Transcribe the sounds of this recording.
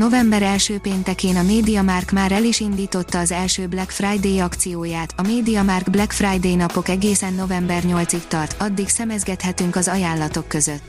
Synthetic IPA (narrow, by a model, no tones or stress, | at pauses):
no̞vɛmbɛɾɛlʃøːpeːnt̪ɛkeːnɒmeːd̪ijɒmaːrkmaːɾɛliʃind̪iːt̪o̞t̪ːɒːzɛlʃøːblɛkfrajd̪eːjɒkt̪sijoːjaːt̪ɒmeːd̪iɒmaːrɡblɛkfrajd̪eːjnɒpo̞kɛɡeːsɛnːo̞vɛmbɛrɲo̞lt̪sikt̪ɒrt̪ɒd̪ːiksɛmɛzɡɛt̪hɛt̪yŋkɒzɒjaːnlːɒt̪o̞kːø̞zøt̪ː